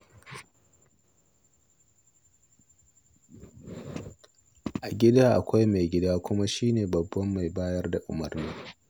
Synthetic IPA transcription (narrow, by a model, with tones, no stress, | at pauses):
ʔa˨ɡʲɪ˦daː˦ʔa˨kʷa˦jma˨jɡʲɪ˦daː˦kʷʊ˦ma˦ʃiː˦neː˨bɐ˨bːɐ˦mːa˨jbaː˦jɐ˦rda˨ʔʊ̰˨mɐ˨rniː˦